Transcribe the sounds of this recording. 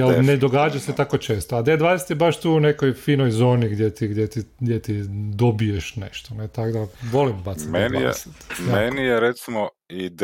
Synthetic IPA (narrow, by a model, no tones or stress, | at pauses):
jelned̪o̞ɡaːd͡ʒaset̪ako̞t͡ʃe̞ːst̪oad̪ed̪ʋaːd̪eset̪jebaʃt̪uːunekojfiːnojzo̞ːniɡd̪jet̪iɡd̪jet̪iɡd̪jet̪id̪obijeʃnḛʃt̪onet̪akd̪aʋo̞limbatsimenḭset̪menijeɾet̪simo | id̪